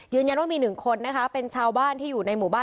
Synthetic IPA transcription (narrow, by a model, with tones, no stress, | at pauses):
jɯː˧nja˧nwaː˥˩miː˧nɯ˨˩ŋkʰo˧nːa˦˥kʰa˦˥pe˧nt͡ɕʰaː˧wbaː˥˩nt̪ʰiː˥˩juː˨˩na˧jmuː˨˩˦baː˥˩